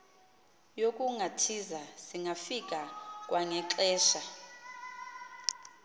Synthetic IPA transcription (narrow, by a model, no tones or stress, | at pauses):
jokʼuŋʱatʰizasiŋʱafikʼakʼwaŋɛǁɛːʃa